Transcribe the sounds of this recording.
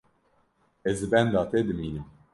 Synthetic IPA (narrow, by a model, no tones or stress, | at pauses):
ɪzbɛnd̪ɐt̪ɪd̪miːni